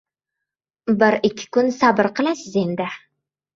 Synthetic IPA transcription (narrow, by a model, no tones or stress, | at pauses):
bɪɾɪkʲʰːɪ̥kʊnsabɪɾqɨlasɪze̞nd̪ɪ